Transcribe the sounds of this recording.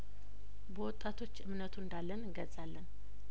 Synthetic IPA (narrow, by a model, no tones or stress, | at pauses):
bəwɔt̪ʼːat̪ʰo̞t͡ʃːɨmnət̪ʰuɨnd̪alːənɨŋɡəzalːən